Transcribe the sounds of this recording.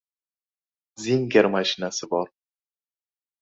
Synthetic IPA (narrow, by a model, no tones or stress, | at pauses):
ziŋɡʲaɾmaʃɪnasɪbɒɾ